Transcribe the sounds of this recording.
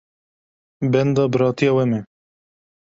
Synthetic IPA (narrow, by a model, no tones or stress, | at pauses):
bɛnd̪ɑːbɨɾɑːt̪ijɑwɛmɛ